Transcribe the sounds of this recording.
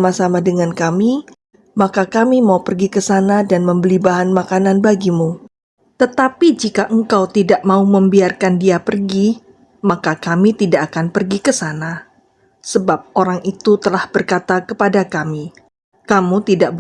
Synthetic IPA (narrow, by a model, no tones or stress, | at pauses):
masamadəŋankami | makakamimaupərɡikəsanadanməmbəlibaɦanmakananbaɡimu | t̪ət̪apid͡ʒikaʔəŋkawt̪idaʔmauməmbiarkandiapərɡi | makakamit̪idaʔakanpərɡikəsana | səbap̚oɾaŋʔit̪ut̪əlahb̥ərkat̪akəpadakami | kamut̪idaʔb